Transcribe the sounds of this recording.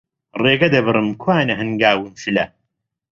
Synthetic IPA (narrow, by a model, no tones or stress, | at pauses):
reːɡɐd̪ɐbɨrɨmkʰwaːnɐɦɨnɡaːwɨnʃɨlɐ